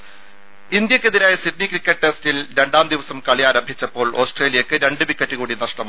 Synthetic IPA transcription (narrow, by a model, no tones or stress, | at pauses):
ind̪jɐkːeðiɾaːjɐsitnikrikʲːɐʈʈːestilɾe̞ɳɖaːmd̪iʋɐsɐmkɐɭijaːɾɐmbʱit͡ɕːɐpːo̞ːɭo̞ːsʈreːlijɐkːɨɾe̞ɳɖɨʋikːɐtːɨɣuːɽinɐʂʈɐma